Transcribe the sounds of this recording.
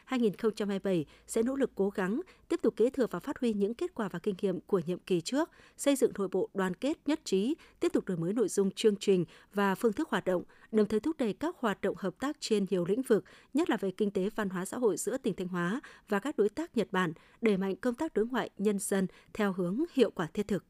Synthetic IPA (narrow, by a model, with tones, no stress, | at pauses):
haː˧jŋi˨˩nxə˧wŋ͡mt͡ɕa˧mhaː˧jɓə˧˩j | sɛ̰˧˥no̰˧˥lɨ˨˩kːo˨˦ɣa˨˦ŋt̪i˦˥əp̚t̪k͡p̚kːe˨˦t̪ʰɨ˨˩ək̚vaː˨˩faː˦˥t̚hwi˧ɲɨ̰˧˥ŋke˦˥t̚kwaː˧˩vaː˨˩kï˧ŋ̟ŋḭ˧˨əmku˧˩əɲḭ˧˨əmki˨˩t͡ɕɨ˦˥ək̚sə˧jzɨ̰˧˨ŋno̰˧˨jɓo̰˧˨ɗwaː˨˩nke˦˥t̚ɲə˦˥t̚t͡ɕi˨˦t̪i˦˥əp̚t̪ʊ˨˩k͡p̚ɗoː˨˩jməː˨˦jno̰˧˨jzʊ˧ŋ͡mt͡ɕɨ˧əŋt͡ɕï˨˩ŋ̟vaː˨˩fɨ˧ət̪ɨ˦˥k̚hwaː˨˩t̚ɗə̰˧˨wŋ͡mɗə˨˩wŋ͡mt̪ʰə˨˦jt̪ʊ˦˥k̚ɗə˨˧˩jkaː˦˥k̚hwaː˨˩t̚ɗə̰˧˨wŋ͡mhəː˨˩p̚t̪aː˦˥k̚t͡ɕe˧nɲi˨˩əwlḭ̈˧˥ŋ̟vɨ˨˩k̚ɲə˦˥t̚laː˨˩ve˨˩kï˧ŋ̟t̪e˨˦va˧nɦwaː˨˦sa̰ː˧˥ɦo̰˧˨jzɨ̰˧˥ət̪ï˨˩ŋ̟t̪ʰa˧jŋ̟ɦwaː˨˦vaː˨˩kaː˦˥k̚ɗo˨˦jt̪aː˦˥k̚ɲə˨˩t̚ɓaː˧˩n | ɗe˧˩ma̰˧˨jŋ̟kə˧wŋ͡mt̪aː˦˥k̚ɗo˨˦jŋwa̰ː˧˨jɲə˧nzə˧nt̪ʰɛ˧wɦɨ˨˦əŋhḭ˧˨əwkwaː˧˩t̪ʰi˦˥ət̪ʰɨ˨˩k̚